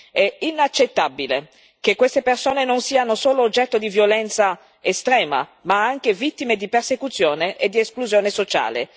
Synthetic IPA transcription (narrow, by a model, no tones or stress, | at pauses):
ɛinat͡ʃːet̪ːabile | kekːwest̪epersoːnenonsiːanosoːloːd͡ʒːɛt̪ːod̪ivjolɛnt̪sa | est̪ɾɛːma̰maaŋk̟evit̪ːimed̪ipersekut̪sːjoːneʔed̪ieskluzjoːnesot͡ʃa̰ːlḛ